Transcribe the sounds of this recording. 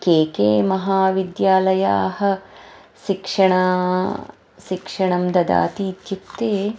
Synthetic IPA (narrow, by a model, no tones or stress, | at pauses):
keːkeːmɐɦaːʋid̪jaːlɐjaːhɐ̆ | ʃikʂɐɳaː | ʃikʂɐɳɐmd̪ɐd̪a̰ːt̪iːt̪jut̪ːeː